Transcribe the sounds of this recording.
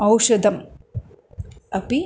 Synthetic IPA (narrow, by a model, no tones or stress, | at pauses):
ɐwʂɐd̪ʱɐm | ɐpi